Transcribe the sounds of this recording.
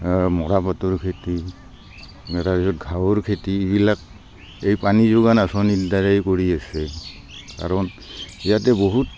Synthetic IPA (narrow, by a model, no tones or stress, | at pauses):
mɔɹapatɔɹkʰeti | mɛtabizɔt̚ɡʱawoɹkʰetiːbilak̚ | ejpanizoɡanasɔnitdaɹajkoɹiasɛ | ka̰ɹɔn | ijatɛboɦut̚